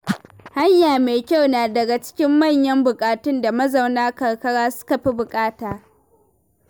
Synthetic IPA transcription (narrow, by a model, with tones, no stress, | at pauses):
ha˦ɲjaː˨meː˨kʲa˦˨wnaː˨dɐ˨ɡa˨t͡ʃɪ̥˦kʲɪ˦mːɐ˦˨ɲjɐ˦mbʊ˨kʼaː˨tʊ˦nda˨mɐ˦zɐ˨wnaː˦kɐ˨ɽkɐ˦ɽaː˦sʊ̥˦ka˨ɸi˦bʊ˨kʼaː˦taː˨